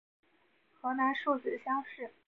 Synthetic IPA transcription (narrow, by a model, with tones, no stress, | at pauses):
xɤ˧˥na˧˥nʂu˥˧t͡sɹ̩˨˩˦ɕjɑ˥ŋʂɻ̩˥˩